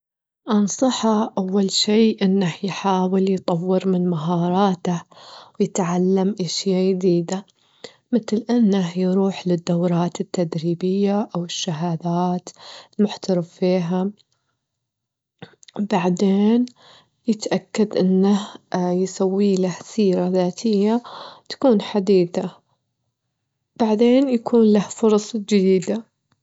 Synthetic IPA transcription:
ʔɑnsˤɑħɑʔawːalʃiːʔɪnːahjħaːwɪljt̪ˤɑwːɪɾmɪnmaɦɑːɾˤɑːt̪awjɪt̪ʕalːamʔaʃjajd̪iːd̪a | mɪt̪lʔɪnːahjɾuːħlɪd̪ːawɾˤɑːt̪ɪt̪ːad̪ɾiːbɪjːaʔawɪʃːaɦaːd̪aːt̪lmʊħt̪ɑɾɑffiːɦa | baʕd̪eːn | jɪt̪ʔakːad̪ʔɪnːahjɪsawːiːlahsiːɾaðaːt̪ʰɪjːat̪ḁkuːnħad̪iːθa | b̥aʕd̪eːnjakʰuːnlahfʊɾˤɑsˤd͡ʒɪd̪iːd̪a

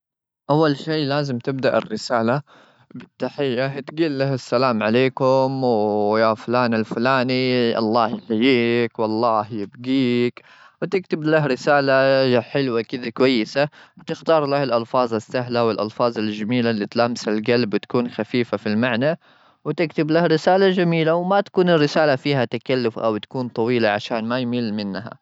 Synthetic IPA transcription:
ʔawːalʃiːlaːzɪmt̪ɪb̚d̪aʔɪ̰rːɪsaːla | bɪt̪ːaħɪjːat̪ɡiːlːahasːalaːmʕaleːkʊmwjafʊlaːnalfʊlaːniʔɑ̰lˤːɑːhjɪħajiːkwɑlˤːɑːhjɪbɡiːk | wɪt̪ɪkt̪ɪblahɾɪsaːlaħɪlwakɪd̪akwajːɪsawt̪ɪxt̪ɑːɾˤlahɪlʔɑlfɑːzˤasːaɦlawɪlʔɑlfɑːzˤɪld͡ʒamiːlalːiːt̪laːmɪsalɡalbwt̪ḁkuːnxafiːfafilmaʕna | wɪt̪ɪkt̪ɪblahɾɪsaːlad͡ʒamiːlawmat̪ḁkuːnɪrːɪsaːlafiːhat̪akalːʊfʔa̰wt̪ḁkuːnt̪ˤɑwiːlaʕaʃaːnmajmiːlmɪnːɦa̰

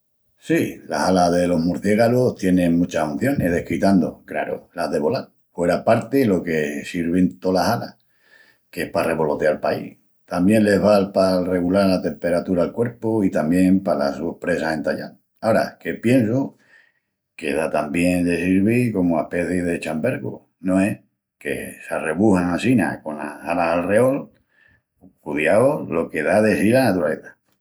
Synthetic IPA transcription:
sila̰salaðe̞lo̞ɦmuɾθjeɣaloht̪je̞nẽ̞ŋmũt͡ʃahun̟θjo̞ne̞hðe̞hkit̪and̪o̰kɾa̰ɾo̰laɦðe̞βo̞lal | fwe̞ɾapaɾt̪elo̞ke̞siɾβ̞ent̪o̞lasalah | kehpare̞βo̞lo̞t̪ealpaḭh | t̪ambjẽ̞nle̞βalpare̞ɣulaɾlat̪e̞mpe̞ɾat̪uɾalkwe̞ɾpoit̪ambje̞mpala̰supɾe̞sase̞nt̪aʎa̰ŋ | aoɾa̰ke̞pje̞ns̬o | ke̞̰ðat̪ambje̞ŋd̪e̞siɾβiko̞moahpe̞θiðe̞t͡ʃambe̞ɾɣo̰ | nõeh | ke̞̰sareβuhaŋasina̰ko̞na̰halaɦalreo̞l | kuðjaolo̞ke̞ðaðesilanat̪uɾale̞θḁ

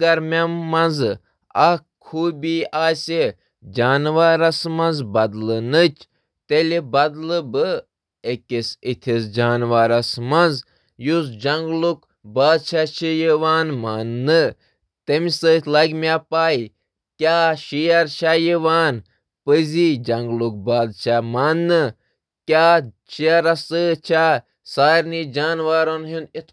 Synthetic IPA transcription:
ɡɐɾmʲɐːɐ̃nz | ɐ | kʰuːbʲiːaːsʲe | d͡ʒaːnʋaːɾɐsmɐnzbɐd̪lɨnɨt͡ʃʰ | t̪elʲibɐd̪lɨbɨ | ekʲisit̪ʲʰisd͡ʒaːnʋaːɾɐsmɐnz | jus̬d͡ʒɐŋɡluk | baːd̪t͡ʃʰaʃijiʋaːnmanːɨ | t̪emisət̪ʲʰlɐɡmʲaːpaːi | kʲaːʃijɐɾt͡ʃʰajiʋaːn | pəzid͡ʒɐŋɡluk̚baːd̪t͡ʃʰamanːɨ | kʲaːt͡ʃʰiɐɾɐsɨt͡ʃʰa | saːɾniːd͡ʒaːnʋaːɾɐnɦunit̪ʰ

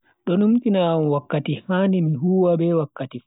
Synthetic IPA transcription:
ɗɔnumkinamwakːatihanimiɦuːwabɛwakːatif

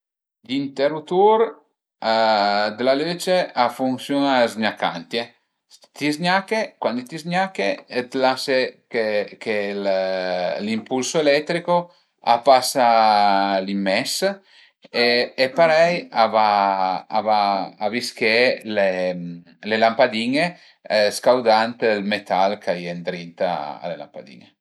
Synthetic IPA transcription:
ʎint̪eɾut̪uɾ | ad̪elaløt͡ʃeafuŋsjonazɲaka̰nt̪je | t̪izɲakekwand̪it̪izɲakeet̪lasekekel | limpulsoelɛt̪ːɾiko | a̰pasa | limːɛs | eːpaɾɛjavaavaːviskele | lelampad̪iɲe | skawd̪ant̪lmet̪alkʰajend̪ɾint̪a̰a̰lela̰mpa̰d̪ḭɲe

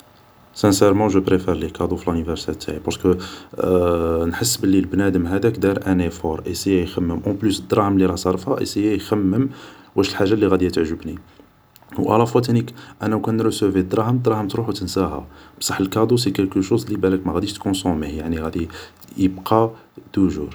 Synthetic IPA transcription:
sæ̃sɛɾmɑ̃ʒəpɾefɛɾlekɑd̪ufilynivæɾsɛɾt̪ʰaʕipɑɾskə | nħəsːbəlːilbnæd̪əmɦæd̪ækd̪ɑɾʔænefɔɾˤʔesəjːæjxæmːəmʔɑ̃plysəd̪ɾˤɑhəmliɾˤɑsˤɑɾˤəfæʔḛsəjːæjxæmːəmwʔæʃəlħaʒːalːiɣæd̪ijæt̪əʕʒəbni | wʔæ̰lɑfwæt̪nikʔænæwkænɾəsəvid̪ɾˤɑhəmd̪ɾˤɑhəmt̪ɾuħwt̪ənsæɦæ̰bsˤɑħːəlkɑd̪us̬ikælkəʃuzlibæləkmæɣæd̪iʃt̪kɔ̃somijaʕniɣæd̪i | jəbqʰɑt̪uʒṵɾ

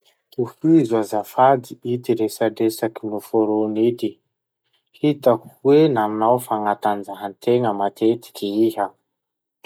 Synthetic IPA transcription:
t̪ufizuazafad̪iit̪iɾesaɖ͡ʐesakinufoɾonit̪i | hit̪akuwenamnawfaŋat̪and͡zaɦant̪eŋəmat̪ʰet̪i̥kiiɦə

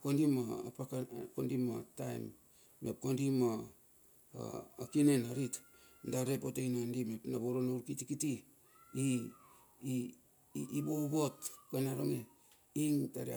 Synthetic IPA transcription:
kondimaa̰pakakondimatajmː | ep̚kondima | a̰akinenaɾit | ndaɾepotejnandimepnaβoɾonauɾkitikiti | i | ibobotkanaɾoŋe | iŋtaɾia̰

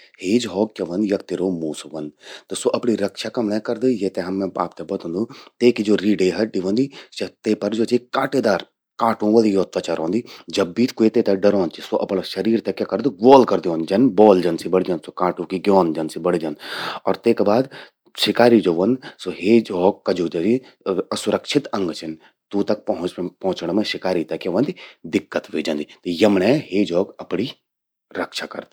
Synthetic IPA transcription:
heːd͡ʒɦɔːkkɐʋɐnjɐkt̪iɾomuːsʋɐnd̪t̪osoːʔɐpɳiɾɐkʃakɐmɽekɐɾd̪ijet̪eɦɐmːɛ̃a̰ːpt̪ebɐt̪ũːnd̪ut̪eːkid͡ʒoːɾiːɖeːɦɐɖiʋɐ̃nd̪iːsɐt̪eːpɐɾd͡ʒoːt͡ʃikãːʈeːd̪aːɾ | kãːʈũʋɐlijoːt̪ʋɐt͡ʃɐɾɔ̃ːnd̪iːd͡ʒɐbːiːt̪kuet̪eːt̪ɛɖɐɾɔ̃ːnt͡ʃisoʔɐpɳaʃɐɾiːɾt̪ɛkʲɐkɐɾd̪uɡɔːlkɐɾd̪iʋõnd͡ʒɐnbɔːld͡ʒɐnsibɐɽid͡ʒɐnsokãːʈũkiɡjɔːnd͡ʒɐnsibɐɽid͡ʒɐnɔːɾt̪eːkbaːd̪ | ʃɪkaːɾid͡ʒoːʋɐ̃nd̪soɦeːd͡ʒoːɡ̚kɐd͡ʒuːd͡ʒɐd͡ʒi | ɐsʊɾɐkʃʰɪt̪ɐ̃ŋɡt͡ʃʰɐn | t̪ut̪ɐk̚pɐɦʊ̃t͡ʃpɐ̃ɦʊ̃t͡ʃɳmẽʃɪkaːɾit̪ɐkːjaʋɐ̃nd̪id̪ɪkːət̪ʋeːd͡ʒɐ̃nd̪it̪jɐmneɦeːd͡ʒɔːɡɐpɽi | ɾɐkʃʰaːkɐ̰ɾd̪i

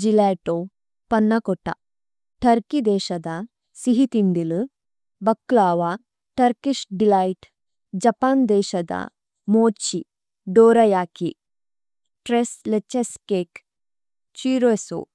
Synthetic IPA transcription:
d͡ʒilɛːʈo | pɐnːɐkoʈa̰ | ʈʰɐɾkid̪eːʃɐd̪a | siɦit̪ind̪ilɨ | bɐkːlaːʋa | ʈɐɾkiʃɖilaːjʈ | d͡ʒɐpaːnd̪eːʃɐd̪a̰ | moːt͡ʃi | ɖoːɾɐjaːki | ʈɾeslet͡ʃeskeːk | t͡ʃiːɾoeso̰

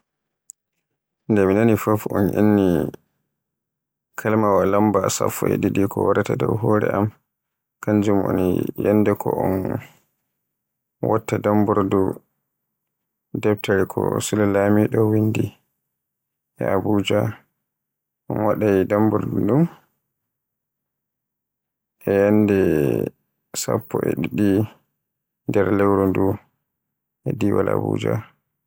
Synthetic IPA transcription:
ndɛminanifofɔ̰nʔḭnːi | kʰalmawalambasa̰fɔ̰jɗiɗikʰɔwaɾatadɔ̰wɦɔːɾɛ̰ʔam | kaɲd͡ʒumɔ̰nijɛnːdɛkʰɔ̰ɔ̰n | wa̰tːadambɔɾdu | dɛp̚taɾɛkʰɔ̰sulalamiɗɔwindi | ʔɛabuːd͡ʒa | ʔɔnwaɗajidambɔɾduɗum | ʔɛjanːdɛ | sa̰pːɔʔɛ̰ɗiɗi | ndɛɾlɛwɾɔndu | ʔɛdiwa̰la̰bṵːd͡ʒa̰

